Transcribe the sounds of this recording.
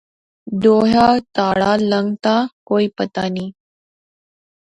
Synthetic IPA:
d̪oːɦat̪aːɭaləŋɡt̪akoːipət̪aniː

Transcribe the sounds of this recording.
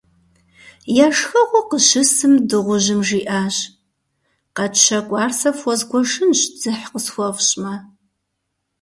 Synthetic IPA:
jaʂxɐʁʷʊqəʃɪsɨmdɨʁʷʊʑɪmʒiːʔaːʑ | qɐt͡ʃʰɐkʷʼɑːrsɐfɔzɡʷɔʂɨnʒd͡zɨħqəsxʷɔʁɕʼmɐ

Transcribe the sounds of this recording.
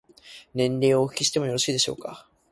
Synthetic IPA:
nẽ̞nɾe̞ːoɯ̟̥kʲiɕi̥t̪e̞mojo̞ɾo̞ɕiːd̪e̞ɕo̞̰ːka

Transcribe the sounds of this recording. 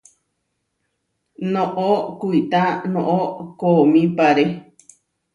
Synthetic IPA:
nõʔokuit̪anõʔokomĩpaɾe

